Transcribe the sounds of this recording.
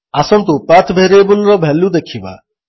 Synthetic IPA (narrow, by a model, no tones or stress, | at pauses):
asɔmt̪upat̪ʰbʱeɾebʊlɾɔbʱɛlːũd̪ekʰiba̰